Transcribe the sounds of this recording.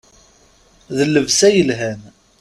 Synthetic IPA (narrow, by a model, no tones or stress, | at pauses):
ðəlːəvsæjəlɦæn